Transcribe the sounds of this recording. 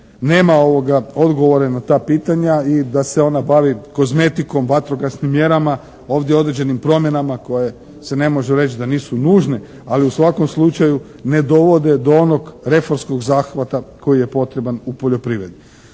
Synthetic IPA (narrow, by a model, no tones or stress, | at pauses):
ne̞ːmao̞ʋo̞ɡao̞d̪ɡo̞ʋo̞ɾenat̪aːpiːt̪aɲaid̪ase̞o̞nabaʋiko̞zme̞t̪iko̞mʋat̪ɾo̞ɡasnimːje̞ɾama | o̞ːʋd̪jeo̞d̪ɾe̞d͡ʒe̞nimpɾo̞mje̞namako̞je̞ | se̞ne̞mo̞ʒuɾe̞t͡ʃd̪aniːsunuːʒne̞ | aliusʋako̞mslˠut͡ʃaju | ne̞d̪o̞ʋo̞d̪e̞d̪oonoɡɾe̞fo̞ɾmsko̞ɡzaːxʋat̪ako̞jije̞po̞t̪ɾe̞banupo̞ʎo̞pɾiʋɾe̞d̪i